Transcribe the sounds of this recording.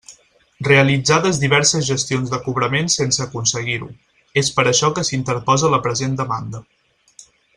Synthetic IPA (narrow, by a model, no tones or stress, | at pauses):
reəlid͡zaðəzðiβ̞ɛɾsəzʒəst̪ionzðəkuβɾəmensensəːkunsəɣiɾṵ | espəɾəʃɔkəsint̪əɾpɔzələpɾəzend̪əmand̪ə